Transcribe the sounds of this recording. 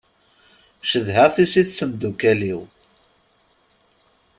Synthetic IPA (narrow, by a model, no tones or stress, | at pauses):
ʃəðɦəʁθisiθθəmd̪ukæliw